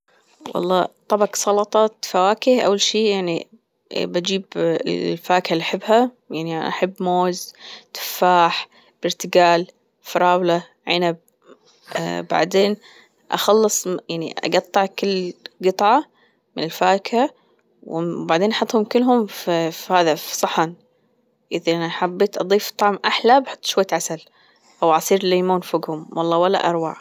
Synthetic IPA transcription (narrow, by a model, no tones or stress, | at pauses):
wʔɑ̰lˤːɑ̰ːt̪ˤːɑbɑksˤɑlɑt̪ˤɑt̪fawaːkɪhʔa̰wːalʃiːjaʕnḭ | bad͡ʒiːbɪ̰lfaːkhalːiʔaħɪbːha | jaʕniʔaʔaħabːmoːzt̪ɪ̥fːaːħ | b̥ɪɾt̪ɪɡaːl | fɾˤɑːwla | ʕɪnab̰̚ | ba̰ʕd̪eːn | ʔɑ̰xɑlːɨsˤjaʕnḭʔʔɑ̰ɡɑt̪ˤːɑʕkɪlːɡɨt̪ˤʕɑ | mɪnɪlfaːka | wbaʕd̪eːnʔɑħɑt̪ˤːhʊmkɪlːɦʊmffhaːðafsˤɑħɑn | ʔɪðaʔanaħabːeːt̪ʔɑd̪ˤiːft̪ˤːɑʕmʔaħlabħʊ̥t̪ˤːʃwaːt̪ʕasal | ʔawʕɑsˤiːɾliːmuːnfʊɡhʊmwʔɑlˤːɑːwalːa̰ʔɑɾˤwa̰ːʕ